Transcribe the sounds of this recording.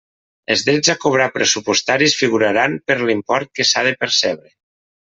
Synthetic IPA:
ḛlˠzðɾɛzakoβ̞ɾapɾesupost̪aɾisfiɣ̞uɾaɾampəɾlimpɔɾt̪̚kesaðepeɾsɛβɾe

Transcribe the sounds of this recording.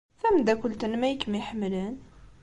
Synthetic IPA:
fæmd̪ækʷʊlt̪ənmæjəkːmiħəmːlən

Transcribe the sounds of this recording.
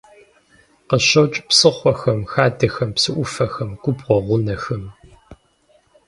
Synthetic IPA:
qəɕɐt͡ʃʼpsɨχʷɔxɐmxaːdɐxɐmpsɨʔʷʊfɐxɐmɡ̥ʷʊbʁʷɔʁʷʊnɐxɐm

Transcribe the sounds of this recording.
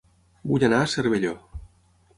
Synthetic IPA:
buʎanaːseɾβeʎo

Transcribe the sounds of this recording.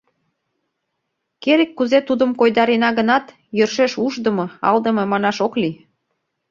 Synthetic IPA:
keɾekːuzet̪ud̪ə̆mkojd̪ɑɾenɑɣənɑt̪ | jø̆rʃeʃuʒd̪ə̆mɤɑ̰ld̪ə̆mɤ̆mɑnɑʃokli

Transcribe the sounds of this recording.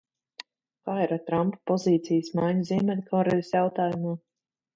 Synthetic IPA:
kaːiɾat̪ɾampḁpɔziːt̪sijəsmajɲuziːmɛd̪ʲkʰɔwɾɛjd̪sʲjawt̪aːjumuː

